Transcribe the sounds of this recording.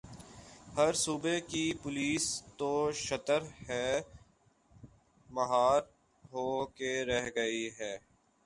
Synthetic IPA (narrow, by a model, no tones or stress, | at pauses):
həɾsuːbekipʊliːst̪oʃət̪əɾhɛː | mɐɦaːɾ | ɦoːkeɾɛɦɡəiɦɛː